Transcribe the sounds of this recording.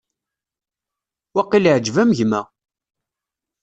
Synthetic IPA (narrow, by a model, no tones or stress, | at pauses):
wæqːilʕd͡ʒvæmʝmæ